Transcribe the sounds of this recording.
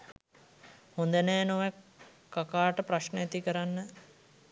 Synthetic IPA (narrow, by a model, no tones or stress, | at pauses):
hond̪əneːnoʋe | kːakaːʈəpɾaʃnəjat̪ikəɾanːə